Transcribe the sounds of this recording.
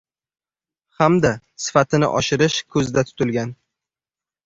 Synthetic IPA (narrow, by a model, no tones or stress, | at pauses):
hamd̪a | sɪ̥fat̪ʰɪnɪ̰ʔɒʃɪɾɪʃkʰɵzd̪at̪ʰʊ̥t̪ɪlɡʲan